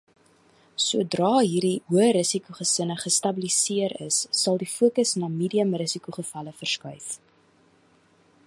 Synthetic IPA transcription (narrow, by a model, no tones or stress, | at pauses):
suədrɑːɦiːrdiɦuəɾəsikuχəsənəχəstɐbilisiəɾə̰sːɐlˠdifuəkəsnɑːmiːdiəmrəsikuχəfɐləfərskœɥf